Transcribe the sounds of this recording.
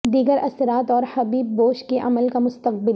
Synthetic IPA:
d̪iːɡəɾɐsɪɾaːt̪ɔːɾhɐbiːbːoːʃkeʔɐ̰məlkamʊst̪əq̚bɪl

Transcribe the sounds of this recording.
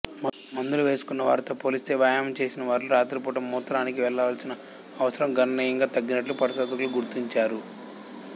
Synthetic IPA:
mɐnd̪uluʋe̞ːsu̥kunːɐʋa̰ːɾit̪o̞ːpoːlist̪e̞ːʋɐjaːmɐmt͡ʃe̞ːsinɐʋaːɾluɾaːt̪ɾip̬uːʈɐmːuːt̪ːɐɾaːnikiʋɛɭːɐʋaːlsinɐ | ɐʋɐsɐɾɐmɡɐnɐniːjɐŋɡaːt̪ɐɡːinɐʈlupɐɾiʃɔːd̪ɐkuluɡuɾt̪iɲt͡ʃaːɾu

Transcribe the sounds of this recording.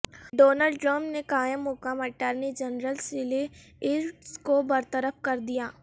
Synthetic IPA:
ɖoːnəlɖʈɾəmpnekaːjɪmːʊkəmɐʈəɾnid͡ʒənɾəlsɪle | ɪɾʈskobɐɾt̪əɾəpʰkɐɾd̪ijaː

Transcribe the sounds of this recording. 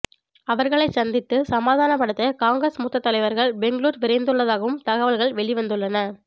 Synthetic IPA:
ɐʋɐɾɣɐɭɐɪsɐnd̪ɪt̪ːɯsɐmaːðaːnɐpːɐɽɐt̪ːɐkaːŋɡɾɐsmʊt̪ːɐt̪ːɐlɐɪʋɐɾɣɐɭbɛŋɡɭuːɾʋɪɾɐɪnd̪ɯɭːɐðaːɣɐʋɯmt̪ɐɣɐʋɐlɣɐɭʋɛɭiʋɐnd̪ɯɭːɐnɐ

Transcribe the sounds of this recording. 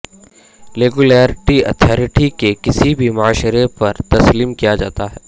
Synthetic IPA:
ɾeːɡulaːɾɪʈiɐ̰t̪ʰaːɾɪʈikekɪsibʱimʊaːʃɾepɐɾt̪ɐsliːmkijad͡ʒaːt̪aɦɛː

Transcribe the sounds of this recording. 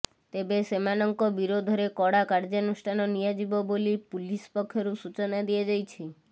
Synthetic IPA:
t̪ebesemanɔŋkɔbiɾod̪ʱɔɾekɔɽakaɾd͡ʒenusʈʰanɔnijad͡ʒibɔbolipulispɔkʰːjoɾusut͡ʃonad̪ijed͡ʒajt͡ʃʰi

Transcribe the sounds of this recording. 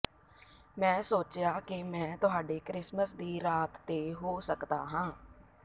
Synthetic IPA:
mɛ̃ːsoːt͡ʃɪjaːkɪmɛ̃ːt̪ʊɦaːɖeːkɾɪsməsd̪iːɾaːt̪ːeːɦoːsəkd̪a̰ːɦãː

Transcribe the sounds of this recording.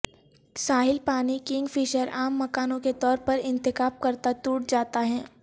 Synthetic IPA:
saːɦɪlpaːnikɪ̃ŋɡfiːʃəɾaːmːɐkaːnõket̪ɔːɾpɐɾɪ̃nt̪ɪkaːb̚kɐɾt̪at̪uːʈd͡ʒaːt̪aɦɛː

